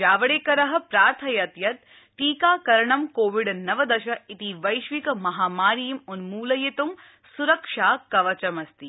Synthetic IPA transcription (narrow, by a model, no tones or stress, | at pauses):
d͡ʒaːʋɐɽeːkɐɾɐɦɐ̆pɾaːɾt̪ʰɐjɐt̪jɐt̪̚ | ʈiːkaːkɐɾɐɳɐmkoːʋiɖnɐʋɐd̪ɐʃɐit̪iʋɐjʃʋikɐmɐɦaːmaːɾijimunmuːlɐjɐt̪um | suɾɐkʂaːkɐʋɐt͡ʃɐmɐst̪i